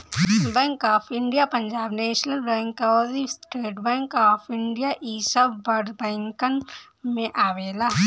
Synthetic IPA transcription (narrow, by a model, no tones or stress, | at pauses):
bɛ̃ːŋkaːpʰɪ̃ɳɖijapɐ̃ɲd͡ʒaːbneːʃnəlbɛ̃ːŋkaɔdisʈeːʈbɛ̃ːŋkaːpʰɪ̃ɳɖijaʔiːsəbbɐɾd̪bɛ̃ːŋkən | mẽʔaːʋeːlaː